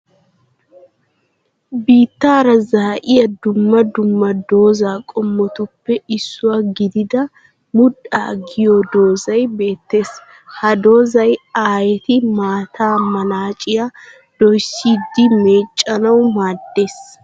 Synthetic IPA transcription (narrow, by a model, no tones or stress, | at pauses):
biːt̪ːaːɾɐzɐhɐʔɪjɐd̪ʊmːɐd̪ʊmːɐd̪o̞ːzaːkʼɔmːɔt̪ʊpːɛɪsːʊwaɡɪd̪ɪd̪ɐ | mʊɗa̰ːɡɪjod̪o̞ːzɐjbe̞ːt̪ːe̞ːs | hɐd̪o̞ːzɐjaːjɛt̪ɪmaːt̪ʰaːmɐnaːt͡ʃʼɪja | d̪̥ɔjsiːd̪ːɪme̞ːt͡ʃʼːɐnɐwmaːd̪ːe̞ːs